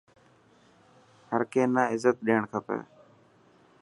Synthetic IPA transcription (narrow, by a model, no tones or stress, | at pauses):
həɾkeːnaːɪzət̪̚ɗiːəɳkʰəpḛː